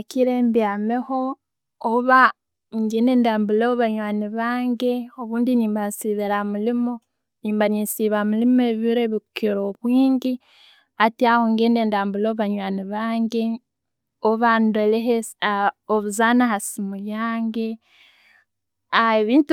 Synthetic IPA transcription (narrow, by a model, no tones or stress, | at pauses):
akiɾeːmbjaːmeho̞ | oβa | ŋɡeːneːndaːmbuloβaɲwaːniβaːŋɡeoβuːndiniːmbansiβeɾamulimo | niːmbaninsiβamulimeβiɾeβikiɾoβwiːŋɡi | atiahoŋɡeːndeːndaːmbuloββaɲwaːniβaːŋɡe | oβandoleɦe | oβuzaːnahasimujaːŋɡe̞ | aeβiːnt